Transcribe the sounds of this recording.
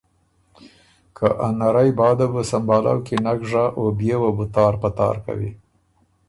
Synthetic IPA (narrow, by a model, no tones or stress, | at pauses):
kʰaʔanaɾajbɑd̪abəsambɑla̰wkinaɡʐaʔobjewabut̪ɑɾpət̪ɑ̰ɾka̰wḭ